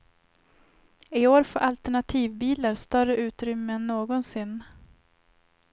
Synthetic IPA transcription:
ɪoːɾfo̰ːɾʔalt̪ɛɳat̪ʰiːvbiːlaɾst̪œrəʔʉ̟ːt̪ɾʏmːəɛnːoːɡɔnsɪnː

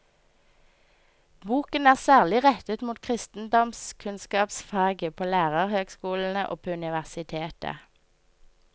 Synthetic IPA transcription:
buːkənæːʁsæːʁlɪʁɛt̪ət̪muːt̪̚kʰʁɪst̪n̩d̪ɔmskʰʉnskɑːpsfɑːɡəpʰoːlæːʁəʁhøːɡskuːln̩əʔo̰ːpʰoːʉnɪʋæʁsɪt̪ʰeːt̪ə̰

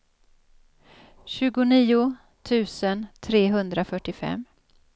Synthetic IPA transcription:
ɕʉ̟ːɡʊniːʊ | t̪ʰʉ̟ːsənt̪ʰɾeːɦɵnd̪ɾafœʈːɪfɛ̰mː

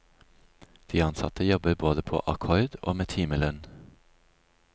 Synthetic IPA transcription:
d̪̥iːɑnsɑ̰t̪əjɔbəboːd̪əpʰo̰ːʔɑkʰɔʏd̪o̰ːmeːt̪ʰiːməlœn

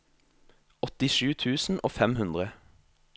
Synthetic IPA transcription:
ɔt̪ɪʃʉːt̪ʰʉːsn̩ʔo̰ːfɛmhʉnd̪ʁə

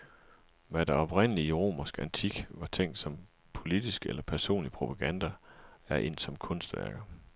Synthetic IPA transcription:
ʋæd̥eɒ̽b̥ʁen̰əliiʁo̝̰ːmɐsɡ̥ænt͡sʰiɡ̥ʋɑ̈t͡sʰeŋ̰d̥sɒ̽m | pʰo̝lid̥isɡ̥əelɐpʰæɐso̝̰ːnlipʰʁo̝pʰɑ̈ɡ̥ænd̥ɐæɐʔe̝̰n̰̥sɒ̽mkʰɔ̽nsd̥ʋæ̰ɐɡ̥ɐ

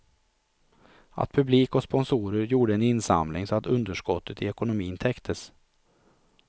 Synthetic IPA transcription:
a̰t̪̚pʰɵbliːkɔspɔnsuːɾəɾjuːɖəɛnɪnsa̰mlɪŋsɔat̪ɵnd̪əʂkɔt̪ʰːət̪ɪɛkʊnʊmiːnt̪ʰɛkt̪ʰəs

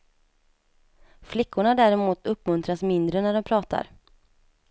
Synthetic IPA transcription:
flɪkːʊɳad̪æːɾɛmuːt̪ɵpːmɵnt̪ɾasmɪnd̪ɾənæɖɔmpʰɾɑːt̪ʰa̰ɾ

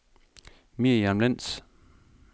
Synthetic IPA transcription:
mijamlen̰s

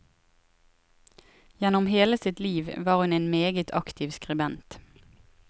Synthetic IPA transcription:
jɛnʊmheːləsɪt̪liːʋʋɑːʁhʉneːnmeːɡət̪ʰɑkt̪ʰiːʋskʁɪbɛnt̪

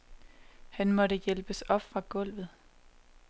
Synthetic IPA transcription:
hænmɒ̽ɾəjelb̥əsɒ̽b̥fʁɑ̈ɡ̥ɔ̽l̰ʋð̞̩ˠ

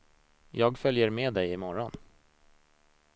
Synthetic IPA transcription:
jɑːɡfœljəɾmeːd̪ɛjɪmɔɾɔn

